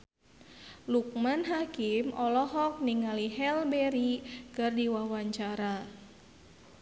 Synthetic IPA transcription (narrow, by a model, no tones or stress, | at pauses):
luk̚manɦakimɔlɔɦɔk̚niŋaliɦɛlbɛɾikɨrdiwawaɲt͡ʃaɾa